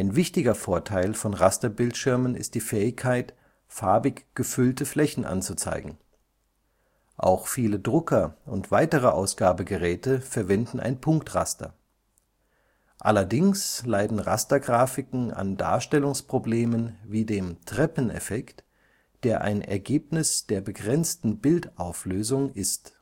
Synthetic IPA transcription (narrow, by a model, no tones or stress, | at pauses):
ʔaɪnvɪçtɪɡɐfoːɐtʰaɪlfɔnʁastɐbɪltʃɪɐmənɪ̰st̚d̥iːfɛːɪçkʰːaɪt | faɐbɪkɡ̥əfʏltəflɛçn̩ʔa̰nt͡sut͡sa̰ɪɡŋ̩ | ʔa̰ʊxfiːlədʁʊkʰɐʊntv̥aɪtəʁ̞əʔaʊsɡ̥aːbəɡəʁɛːtəfɛɐvɛndn̩ʔa̰ɪnpʰʊŋktʁa̰stɐ̰ | ʔa̰lɐdɪŋslaɪdn̩ʁa̰stɐɡʁaːfɪkŋ̩a̰nda̰ːɐʃtɛlʊŋspʁ̥obleːmənviːdeːmtʁ̥ɛpn̩ɛ̰fɛkt | d̥eːɐʔa̰ɪnʔɛ̰ɐɡeːpnɪsd̥eːɐbəɡʁɛnt͡stn̩bɪltaʊfløːzʊŋʔɪst